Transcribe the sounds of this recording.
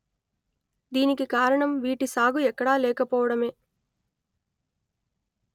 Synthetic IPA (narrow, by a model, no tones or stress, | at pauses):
d̪iːnikikaːɾɐɳɐmʋiːʈisaːɡuɛkːɐɽaːlɛːkɐpɔːʋɐɽɐme̞ː